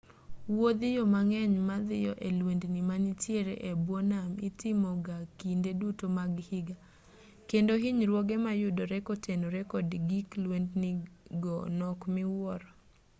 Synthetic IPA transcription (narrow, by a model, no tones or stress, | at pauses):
wod̪ɪjɔmaŋɛɲmad̪ɪjɔʔelwendnimanitjeɾḛʔebwɔnamɪtɪmɔɡakindedutomaɡhɪɡa | kendoɦiɲɾwɔɡɛmajʊdoɾɛkotʰenoɾɛkɔdɡiklwendnɪɡɔnɔkmɪwɔɾɔ